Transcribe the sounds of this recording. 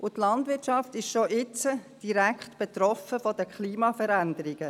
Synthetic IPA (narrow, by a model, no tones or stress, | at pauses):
ʔʊtlɑndʋɪtʃɑftɪʃʃoʔɪt͡səd̥iɾækχtb̥et̪ɾɔfəfɔdəkʰliːmɑfəɾændəɾɪɡ̥ə